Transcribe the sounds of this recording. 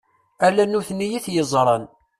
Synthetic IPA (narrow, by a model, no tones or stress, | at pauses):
ælænːuθnːijiθjəzˤɾˤən